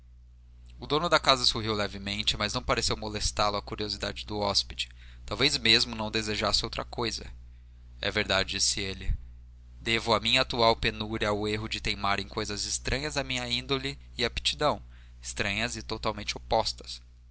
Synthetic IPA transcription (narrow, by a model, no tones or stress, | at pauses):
ʊd̪õnʊd̪ɐkazɐsoɦiwlɛvɪmẽnt͡ʃɪmɐznɐ̃w̃paɾesewmolest̪alʊɐkuɾiozid̪a̰d͡ʒɪd̪ʊɔspid͡ʒɪ̥ | t̪awvezmezmʊnɐ̃w̃d̪ezeʒasɪowt̪ɾɐkojzɐ̰ | ɛ̰veɾd̪ad͡ʒɪd͡ʒisɪelɪ | d̪evʊɐmĩɲɐat̪uawpenuɾɐʊeɦʊd͡ʒɪt̪ẽjmaɾẽj̃kojzɐzɪst̪ɾʔɐ̃ɲɐzɐmĩɲɐĩnd̪olɪ | ɪɐpi̥t͡ʃid̪ɐ̃w̃ | ɪst̪ɾɐ̃ɲɐzɪt̪ot̪awmẽnt͡ʃɪopɔst̪ɐ̥s